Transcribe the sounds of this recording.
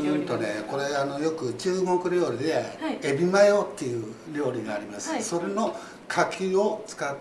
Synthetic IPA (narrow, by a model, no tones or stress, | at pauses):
t̪o̞ne̞ko̞ɾe̞ano̞jo̞kɯ̟t͡ɕɨːmo̞kɯ̟ɾʲo̞ːɾʲid̪e̞ːbʲimajo̞t̪ːe̞jɯ̟ɾʲo̞ːɾʲiɡaːɾʲimasɨ̥so̞ɾeno̞ | kʰakʲio̞t͡sɨ̥kat̪ː